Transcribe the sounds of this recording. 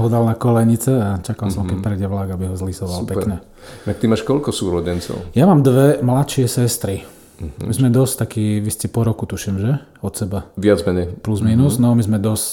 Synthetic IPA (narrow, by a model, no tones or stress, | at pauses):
ɦɔd̪alnakɔlɛɲit͡sɛat͡ʃakalsɔmkɛpɾɛjɟɛʋlaɡabiɦɔzlisɔʋalupɛkɲɛ | nak̚t̪imaːʃkɔʎʲkɔsuːɾɔɟɛnt͡sɔ̰ʊjamaːmd̪ʋɛmlat̪ʃɪɛsɛst̪ɾi | mizmɛd̪ɔsct̪akiːʋiscɛpɔɾɔkut̪uʃimʒɛ | ɔt̪sɛbaʋɪad͡zmɛɲɛjpluzmiːnuznɔmizmɛd̪ɔsc